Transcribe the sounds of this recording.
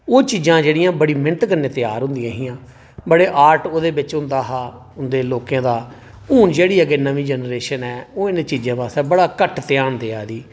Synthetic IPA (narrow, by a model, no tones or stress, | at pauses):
oːt͡ʃiːd͡ʒãːd͡ʒeːɽɪjãːbəɽiːmɪnət̪kənẽːt̪ɪjaːɾɦʊ̃nd̪ɪjãːɦɪːãː | bəɽeːʔaːɾʈoːd̪eːbɪt͡ʃɦʊ̃nd̪aːɦaː | ʊnd̪eːloːkjãːd̪aː | uːnd͡ʒeːɽiːəɡeːnəʋiːd͡ʒənɾeːʃənɛːoːɪnːt͡ʃiːd͡ʒãːbaːsɛːbəɽaːkəʈt̪ɪjaːnd̪eːaːd̪iː